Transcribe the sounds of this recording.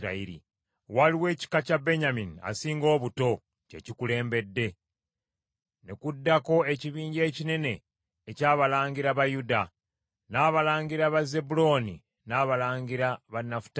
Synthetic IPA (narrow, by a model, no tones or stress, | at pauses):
ɾa̰iɾḭ | waliwe̞ːci̥kacabe̞ɲaminia̰siːŋɡo̞ːβuto̞ | ce̞̰cikule̞ːmbe̞dːe̞ | nekudːako̞e̞ciβiːɲɟe̞ːcine̞ne̞ː | caːβalaːɲɡiɾaβajuda | naːβalaːŋɡiɾaβaze̞bulo̞nḭ | naːβalaːŋɡiɾaβanːafu̥t